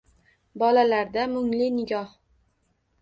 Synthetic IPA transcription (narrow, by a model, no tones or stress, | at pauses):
bɒlalaɾd̪amʊŋlɪnɪɡʲɒh